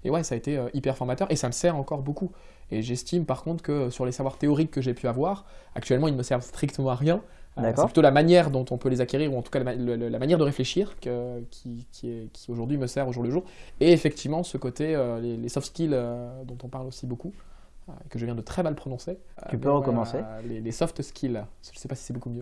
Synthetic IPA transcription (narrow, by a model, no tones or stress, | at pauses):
ewɛsaːet̪eøʔipɛʁfɔʁmat̪œʁesaməsɛʁɑ̃kɔʁboku | eʒɛst̪impaʁkɔ̃t̪χə̥kəsyʁlesavwaʁt̪eɔʁikːəʒepʰyavwaʁa̰k̚t̪ɥɛlmɑ̃ilnəməsɛʁvst̪χikt̪əmɑ̃aʁjɛ̃d̪aɛpplyt̪olamanjɛʁd̪ɔ̃t̪ɔ̃pølezakʲeʁiʁuɑ̃t̪u̥kalalələlamanjɛʁd̪əʁefleʃiʁkəkʲʰikʲʰiɛkʲioʒuʁd̪ɥiməsɛʁoʒuʁləʒuːʁeːfɛk̚t̪ivmɑ̃səkot̪eølelesɔft̪skʲilød̪ɔ̃t̪ɔ̃paʁlosiboku | ø̰ekəʒəvjɛ̃d̪ət̪χɛmalpχɔnɔ̃set̪ypøʁəkɔmɑ̃selelesɔft̪skʲʰilʒəsɛpasi̥sɛbokumjø